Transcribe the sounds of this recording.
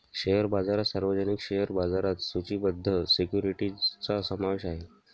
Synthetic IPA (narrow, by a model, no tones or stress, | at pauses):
ɕejəɾbad͡zaɾasaɾʋəd͡ʑənikɕejəɾbad͡zaɾat̪sut͡ɕiːbəd̪ʱːəsekjuɾiʈit͡sasəmaʋeɕaɦe